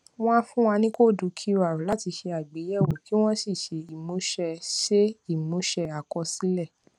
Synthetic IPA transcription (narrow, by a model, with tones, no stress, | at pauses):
w̃ɔ̃˦fũ˦wa˧nĩ˦ko˦˨du˨˦kʰi˦wa˨ɾu˨˦la˦˨ti˧ʃe˧a˨ɡ͡be˨˦jɛ˦˨wo˨ki˦w̃ɔ̃˦si˦˨ʃe˨i˦˨mõ˨˦ʃɛ˧ʃe˦i˦˨mõ˨˦ʃɛ˧a˨kɔ˧si˨˦lɛ˦˨